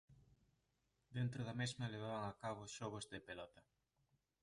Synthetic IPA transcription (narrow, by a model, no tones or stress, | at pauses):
d̪ent̪ɾʊðɐmezmɐleβ̞aβaŋakaβʊsʃoβ̞ozðepelɔt̪ɐ